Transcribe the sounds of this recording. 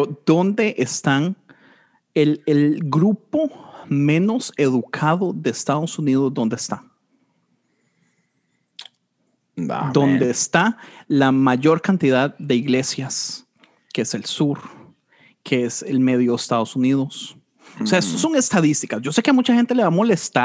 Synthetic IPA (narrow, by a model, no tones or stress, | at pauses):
eɾoðo̞nd̪e̞ʔest̪an | elelɡɾupo̞mẽ̞no̞se̞ðukʰaðo̞ðe̞ːst̪aðo̞sunið̞o̞zd̪o̞nd̪eest̪a | a̰d̪o̞nd̪eːst̪alamaʝo̞ɾkant̪iðaðd̪e̞iɣle̞sjas | keese̞lsuɾ | kʰeeselme̞ðjoðest̪aðosuniðo̞s | seaest̪oso̞ŋe̞st̪aðist̪ikasd͡ʒo̞sekeamut͡ʃaxe̞nt̪e̞leβamo̞le̞st̪a